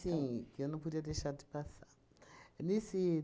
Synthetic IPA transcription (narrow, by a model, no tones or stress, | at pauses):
ikionokudiadeʃadi̥pasa | nisi